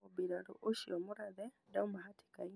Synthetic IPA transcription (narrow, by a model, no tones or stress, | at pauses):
obiɾaɾṵʔuʃiomuɾaðɛ | daumaɦatʰi̥kaɲ